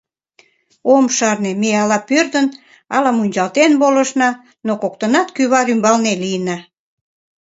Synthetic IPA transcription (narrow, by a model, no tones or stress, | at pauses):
omʃɑrnemeɑlɑpørd̪ən | ɑlɑmunʲt͡ɕɑlt̪enboləʃnɑ | nokok̚t̪ənɑt̪kyβɑɾymbɑlnelijənɑ